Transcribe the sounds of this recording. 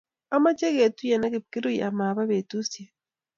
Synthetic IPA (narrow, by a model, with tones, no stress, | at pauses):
a˦ma˦t͡ʃe˦ɣe˨tu˦ja˨na˦ke˨p̚ki˦ɾo˦ia˨ma˨βa˦βe˨tu˦sja˨